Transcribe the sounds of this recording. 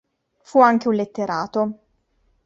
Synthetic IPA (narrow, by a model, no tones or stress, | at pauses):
fuaŋk̟eunlet̪ːeɾʔaːt̪o